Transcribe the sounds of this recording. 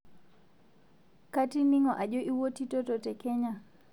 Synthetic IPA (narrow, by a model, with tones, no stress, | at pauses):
kati˦ni˦ŋɔ˨ʔa˨ʄɔ˦ʔi˦wɔ˦ti˦tɔtɔtɛ˨kɛɲa